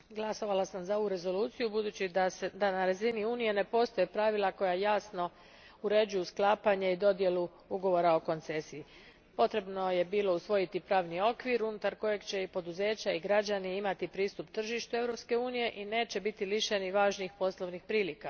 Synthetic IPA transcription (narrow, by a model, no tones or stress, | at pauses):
ɡlˠaso̞ʋalasamzao̞uɾe̞zo̞luːt̪sijubud̪uːt͡ɕid̪anaɾaziniuːnije̞ne̞po̞st̪o̞jepɾaʋilˠako̞jajaːsno̞ | uɾe̞d͡ʑujusklˠaːpaɲeid̪o̞d̪je̞lu | uɡo̞ʋo̞ɾao̞ko̞nt̪se̞sii | po̞t̪ɾe̞bno̞je̞biːlo̞usʋo̞jit̪ipɾaːʋnio̞kʋiɾunut̪aɾko̞je̞ɡt͡ɕe̞ipo̞d̪uze̞ːt͡ɕaiɡɾad͡ʑaniimat̪ipɾiːst̪upt̪r̩ʒiʃt̪ue̞vɾo̞pske̞uːnije̞ʔine̞ːt͡ɕe̞bit̪iliʃe̞niʋaːʒnixpo̞slˠo̞ʋnixpɾiːlika